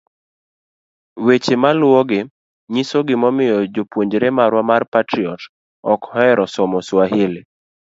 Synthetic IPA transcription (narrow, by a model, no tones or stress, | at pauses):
wet͡ʃemalwɔɡɪ | ɲisoɡɪmɔmɪjɔd͡ʒopwoɲd͡ʒɾemaɾwamarpatɾiɔt | ɔkhɔɛɾɔsɔmɔswaɦɪlɪ